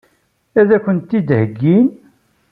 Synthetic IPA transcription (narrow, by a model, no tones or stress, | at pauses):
æðækʷːənt̪ːid̪həɡːin